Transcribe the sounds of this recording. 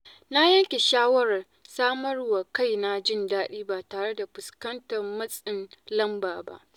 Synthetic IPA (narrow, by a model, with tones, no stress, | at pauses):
na˦jɐ˦ŋkʲe˨ʃaː˦wɐ˦ɾɐ˨ | saː˦mɐ˦rwa˨ka˦˨jna˦d͡ʒɪ˦ndaː˦ɗiː˦baː˨taː˨ɽe˦da˨ɸʊ˨skɐ˦ntɐ˨rmɐ˦sʼɪ˨nlɐ˦mbaː˨ba̰˦ʔ